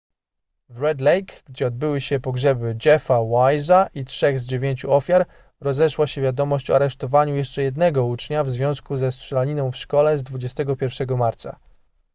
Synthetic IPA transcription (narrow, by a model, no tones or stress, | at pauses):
vɾɛd̪lɛjkɡd͡ʑɛɔd̪̚bɘwɘɕɛpɔɡʐɛbɘd͡ʑɛfawajzaʔitʂɛɣzd͡ʑevʲjeɲt͡ɕuɔfʲjaɾ | ɾɔzɛʂwaɕɛvʲjad̪ɔmɔɕt͡ɕɔ̰aɾɛʂt̪ɔvaɲujɛʂt͡ʂɛjɛd̪nɛɡɔut͡ʂɲavzvʲjɔ̃skuzɛstʂɛlaɲinɔ̃w̃fʂkɔlɛzd̪vud͡ʑɛst̪ɛɡɔpʲjɛɾfʂɛɡɔmaɾt̪sa̰